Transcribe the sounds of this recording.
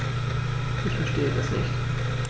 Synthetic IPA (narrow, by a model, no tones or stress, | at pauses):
ɪçfɛɐʃteːəd̥asnɪ̰çt